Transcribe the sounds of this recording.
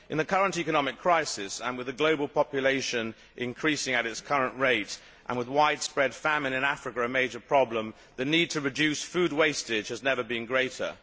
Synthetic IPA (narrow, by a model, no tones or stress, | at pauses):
ʔɨ̃nðɨkʰʌɹə̃ntikɨnɑmɨkʰɹ̥aɪsɪsə̃nwɨðɨɡloʊbəlˠpʰɑpjɨleɪʃɨ̃n | ʔɪ̃nkʰɹ̥isɪ̃ŋɨɾɨtskʰʌɹə̃nʔɹeɪt | ʔə̃nwɨðwaɪd̥spɹɛd̥fæmɨ̃nɨ̃næfɹɨkəɨmeɪd͡ʒə˞pʰɹ̥ɑblə̃m | ðɨnid̚tʰɨɹɨdʉsfʉd̚weɪstɪ̥ʒ̥ɨznɛvə˞bɨ̃nɡɹeɪɾə̰˞